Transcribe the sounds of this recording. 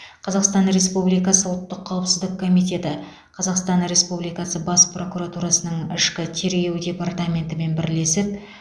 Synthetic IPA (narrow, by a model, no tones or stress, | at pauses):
qʰɑzɑqst̪ɑnɾe̞spublijkɑsəwlˠt̪ːəqʰːɑwəpsɪzd̪ɪkʰːo̞mijt̪e̞t̪ɪ | qʰɑzɑqst̪ɑnɾe̞spublijkɑsəbɑspro̞kuɾat̪uɾɑsənəɴɪ̰ʃkʲɪt̪ʰe̞ɾɡʲe̞wd̪ʲe̞part̪amʲe̞nt̪ɪme̞nbɪɾle̞sɪp̚